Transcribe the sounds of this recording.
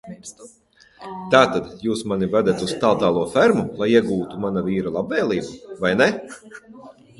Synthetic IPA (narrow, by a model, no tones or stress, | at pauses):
t̪aːt̪ad̪juːsmanivad̪ʲat̪ust̪alˠt̪aːlˠuɔfæɾmulˠajiɛɡuːt̪umanaviːɾalˠabvɛːlʲˠiːbuvajnɛ